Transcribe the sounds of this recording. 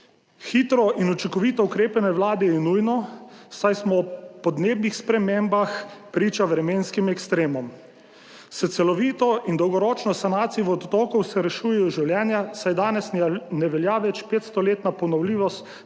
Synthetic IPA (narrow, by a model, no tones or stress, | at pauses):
xiːt̪ɾɔʔinut͡ʃiŋkɔʋit̪ɔukɾeːpanɛʋlaːd̪ɛjɛnujnɔsajsmɔpɔd̪neːbnixspɾɛmeːmbaxpɾiːt͡ʃaʋɾɛmeːnskimɛkst̪ɾeːmɔm | sɛt̪sɛlɔʋiːt̪ɔʔind̪ɔwɡɔɾɔːt͡ʃnɔsanaːt̪siʋɔd̪t̪ɔːkɔwsɛɾɛʃuːjɛjɔʒiwljɛːnjasajd̪aːnɛsnɛʋɛljaʋɛt͡ʃpeːt̪st̪ɔleːt̪napɔnɔwliːʋɔst̪